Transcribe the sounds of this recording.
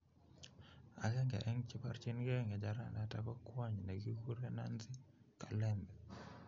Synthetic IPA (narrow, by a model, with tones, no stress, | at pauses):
a̰˨ɡɛ˦ŋɡɛ̰˨ʔɛ˦ŋt͡ʃɪ˦pa˦rt͡ʃi˦nɡɛ˦ŋɛ˨d͡ʒa˨ɾa̰˨na˦ta˦kɔ˦kwa˦ɲne˨ɡi˦ku˦ɾɛ˦na̰˦nzɪ˦ka˨lɛ˦mbɛ˨